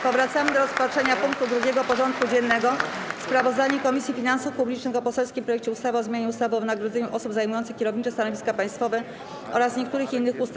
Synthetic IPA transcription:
pɔvɾat̪samɘd̪ɔɾɔspatʂɛɲapuŋk̚t̪ud̪ɾuɡʲɛɡɔpɔʐɔnt̪̚kud͡ʑɛnːɛɡɔspɾavɔzd̪aɲɛkɔmʲisʲjifʲinansufpublʲit͡ʂnɘxɔpɔsɛlskʲimfpɾɔjɛk̚t͡ɕɛust̪avɘɔzmʲjeɲɛust̪avɘɔvɘnaɡɾɔd̪zɛɲuʔɔsubzajmujɔnt̪sɘ̥kʲɛɾɔvɲit͡ʂɛst̪anɔvʲiskapaj̃st̪fɔvɛ | ʔɔ̰ɾasɲek̚t̪uɾɘxinːɘxust̪

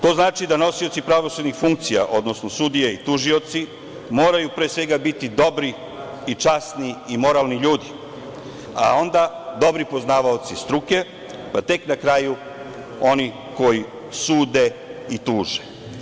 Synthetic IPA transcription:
t̪o̞ːznaːt͡ʃid̪ano̞sio̞t̪sipɾaʋo̞sud̪nixfuŋk̚t̪sija̰ʔo̞d̪no̞sno̞sud̪ijeit̪uʒio̞t̪si | mo̞ːɾajupɾeːsʋe̞ɡabit̪id̪o̞bɾi | it͡ʃasniimo̞ɾaːlniʎuːd̪i | a̰o̞nd̪ad̪o̞bɾipo̞znaːʋaot̪sist̪ɾuke̞ | pat̪e̞knakɾaːju | o̞ni | ko̞ji | suːd̪e̞it̪uːʒe

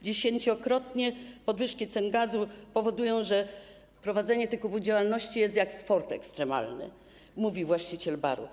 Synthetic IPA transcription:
d͡ʑeɕeɲt͡ɕɔkɾɔt̪ɲɛpɔd̪vɘʂkʲit̪sɛnɡazupɔvɔd̪ujɔ̃w̃ʐɛ | pɾɔvad̪zɛɲɛt̪ɛkubud͡ʑawalnɔɕt͡ɕijɛst̪ʲjakspɔɾt̪ɛ̰kst̪ɾɛma̰lnɘ̰ | muvʲivwaɕt͡ɕit͡ɕɛlba̰ɾṵ

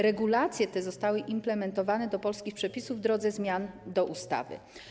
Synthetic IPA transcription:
ɾɛɡulat̪sʲjɛt̪ɛzɔst̪awɘʔimplɛmɛnt̪ɔvanɛd̪ɔpɔlskʲixpʂɛpʲisuvːd̪ɾɔd̪zɛzmʲjand̪ɔʔust̪a̰vɘ̰

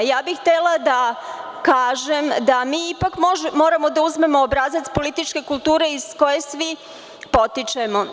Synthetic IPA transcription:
jaːbixt̪elˠad̪a | kaːʒe̞md̪amiːipakʒmo̞ːɾamo̞d̪auzme̞mo̞ːbɾazat̪spo̞lit̪it͡ʃke̞kulˠt̪uːɾe̞iz̥ko̞je̞sʋi | po̞t̪it͡ʃemo̞

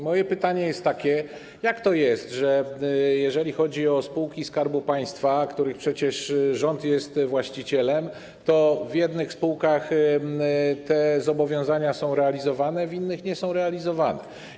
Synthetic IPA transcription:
mɔjɛpɘt̪aɲɛjɛst̪ːakʲɛ | jakt̪ɔjɛst̪ʐɛjɛʐɛlʲixɔd͡ʑiɔspuwkʲiskaɾbupaj̃st̪fakt̪uɾɘxpʂɛt͡ɕɛʂʐɔnt̪jɛst̪vwaɕt͡ɕit͡ɕɛlɛm | t̪ɔvʲjɛd̪nɘxspuwkax | t̪ɛzɔbɔvʲjɔ̃w̃zaɲasɔ̃w̃ɾɛalʲizɔvanɛvʲinːɘxɲɛsɔ̃w̃ɾɛalʲizɔvanɛ̰

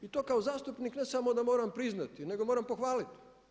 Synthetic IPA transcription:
it̪o̞ːkaozaːst̪upnikne̞samo̞d̪amo̞ːɾampɾiznat̪ine̞ɡo̞moɾampoxʋaːlit̪i̥

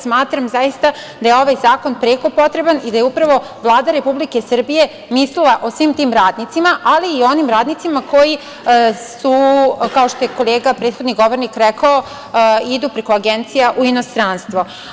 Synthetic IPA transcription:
smaːt̪ɾamzajist̪a | d̪ajeo̞ʋajzaːko̞npɾeːko̞po̞t̪ɾe̞banid̪ajeupɾaʋo̞ | ʋlˠaːd̪aɾe̞publike̞sr̩bije̞ | mislilˠaʔo̞sʋiːmt̪iːmɾaːd̪nit̪simaʔaliːo̞nimɾaːd̪nit̪simako̞ji | sukao̞ʃt̪o̞jeko̞leːɡapɾeːd̪xod̪niɡo̞ʋo̞ɾnikɾekao | id̪uːpɾe̞koaɡent̪sijaʔuino̞st̪ɾanst̪ʋo̞

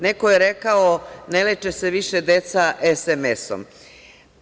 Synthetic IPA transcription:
nekojeɾekaonelet͡ʃese̞ʋiʃed̪et̪saʔesemeso̰m

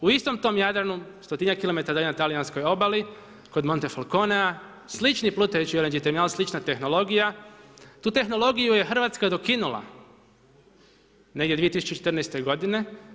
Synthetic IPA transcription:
uist̪o̞mt̪o̞mjad̪ɾanust̪ot̪inakilˠo̞met̪aɾd̪aenat̪alijanskojo̞bali | ko̞d̪mo̞nt̪e̞falˠkonea | slit͡ʃniplˠut̪ejut͡ɕiolend͡ʒit̪eminalslit͡ʃnat̪e̞xno̞lˠo̞ɡijat̪uːt̪e̞xno̞lˠo̞ɡijuje̞xr̩ʋat̪skad̪o̞kinulˠa̰ | ne̞ɡd̪ʲjeie̞t̪isut͡ʃt͡ɕet͡ʃet̪rnajst̪eɡo̞d̪ine̞

